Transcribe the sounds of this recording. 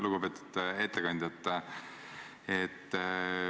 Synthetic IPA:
luɡ̥upe̞ːt̪ːˑu̥d̪̥e̞t̪ːekɑnʲd̪ʲjɑt̪ː | et̪ː

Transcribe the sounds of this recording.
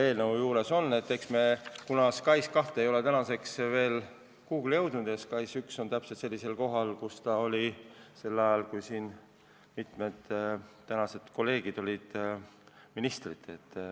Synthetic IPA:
e̞ːlneujuːɾe̞so̞nːe̞t̪ːe̞ksme̞kunɑskɑjskɑht̪eejo̞le̞t̪ænɑse̞ksve̞ːl | kuːkyljɤ̞wd̪̥nud̪̥eskɑjsykso̞nt̪æpse̞lt̪se̞lːise̞lko̞ɦɑlkust̪ɑo̞lʲise̞lːɑjɑlkujsiːn | mit̪me̞d̪̥t̪ːænɑse̞d̪̥ko̞lːe̞ːɡ̥id̪o̞lʲid̪̥ | minist̪rit̪ːe̞t̪ː

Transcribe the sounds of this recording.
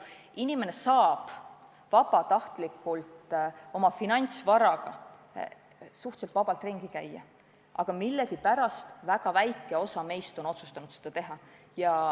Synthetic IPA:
inime̞ne̞sɑːb̥ | vɑbɑt̪ɑht̪likːult̪o̞mɑfinɑnʲt̪svɑɾɑɡ̥ɑ | suht̪se̞lt̪vɑb̥ɑlt̪ˑriŋɡ̥ikæjːɑ̰ | ʔɑɡ̥ɑmilːeɡipæɾɑst̪væɡ̥ɑvæjkːˑe̞o̞sɑme̞jst̪o̞no̞t̪su̥st̪ɑnud̪sed̪̥ɑt̪e̞ɦɑ | jɑ

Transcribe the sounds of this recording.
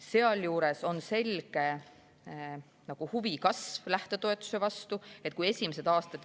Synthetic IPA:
se̞ɑljuːɾe̞so̞nse̞lɡ̥e̞ | nɑɡ̥uhuvikɑsvlæht̪e̞t̪oe̞t̪ːˑu̥sevɑst̪ue̞t̪̚ːˑkuje̞sʲimese̞d̪̥ɑːst̪ɑt̪

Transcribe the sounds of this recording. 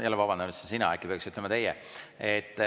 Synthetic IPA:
jælːevɑbɑnd̪ɑmet̪sesinɑ̰æ̰kːˑipeksyt̪ːˑlemɑt̪e̞jɛ | et̪ːˑ

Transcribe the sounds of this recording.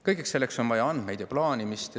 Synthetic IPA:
kɤjɡekse̞lːekso̞nvɑjɑɑnd̪̥mejd̪̥jɑplɑːnʲimist̪

